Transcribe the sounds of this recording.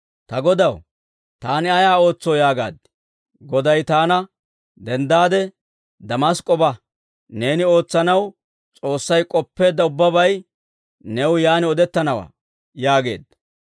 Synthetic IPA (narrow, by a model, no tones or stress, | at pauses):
t̪ɐɡɔd̪ɐw | t̪aːnɪɐjaːo̞ːt͡sːoːjaːɡa̰ːd̪ːɪ̥ | ɡɔd̪ɐjt̪aːnɐ | d̪ɛnd̪aːd̪ɛ | d̪ɐmɐskʼːɔbɐ | ne̞ːnɪo̞ːt͡sːɐnɐw | t͡sʼo̞ːsːɐjkʼɔpːe̞ːd̪ːɐʊbːɐbɐj | nɛwʊjaːnɪɔd̪ɛt̪ːɐnɐwa̰ː | jaːɡe̞̰ːd̪ːɐ